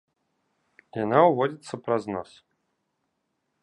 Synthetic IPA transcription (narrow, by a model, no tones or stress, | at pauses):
jjanauvɔdʲit̪sːəpɾaznɔ̰s